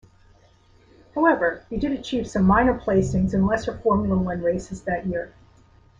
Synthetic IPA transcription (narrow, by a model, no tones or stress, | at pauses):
haʊɛvə˞wɨdɨɾɨt͡ʃʰiv̥sʌ̃mːãɪ̃nə˞pʰl̥eɪsɪ̃ŋzɨ̃nlɛsə˞fɔɹmjl̩ˠəwʌ̃nɹeɪsɨzðɨʔ̚jɪɹ